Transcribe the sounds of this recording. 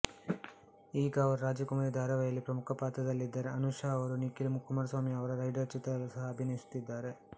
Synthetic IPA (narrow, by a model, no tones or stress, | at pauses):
iːɡɐːʋɐɾuɾaːd͡ʒɐkumaːɾid̪ʱaːɾɐʋɐjɐlːipɾɐmukʰɐpaːt̪ɐd̪ɐlːid̪ːaːɾeɐnuʂaɐʋɐɾunikilmukʰːumaːɾɐsʋaːmiɐʋɐɾɐɾɐjɖɐɾt͡ʃit̪ɾɐɐlusɐɦɐːbʱinɐjisu̥t̪ːid̪ːaːɾe̞